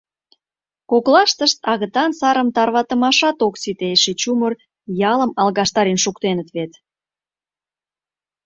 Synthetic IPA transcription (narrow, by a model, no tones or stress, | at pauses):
koklɑʃt̪əʃt̪ɑɣət̪ɑnsɑɾəmt̪ɑrβɑt̪əmɑʃɑt̪oksit̪eʃet͡ɕumər | jɑləmɑlɣɑʃt̪ɑɾenʃukt̪enət̪βet̪